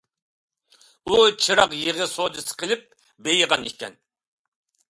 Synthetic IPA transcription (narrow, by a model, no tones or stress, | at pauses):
ut͡ʃʰɨɾɑqjeʁɨsod͡ʒɨsɨ̥qʰəlˠɪp̚ | bejəʁɑnikʲʰɛ̰n